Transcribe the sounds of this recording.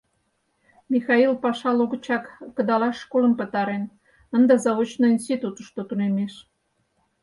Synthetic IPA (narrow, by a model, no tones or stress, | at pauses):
mixɑilpɑʃɑloɣə̆t͡ɕɑkːəd̪ɑlɑʃːkoləmpə̆t̪ɑɾen | ənd̪ɑzɑβot͡ɕnoinst̪it̪ut̪əʃt̪ot̪unemeʃ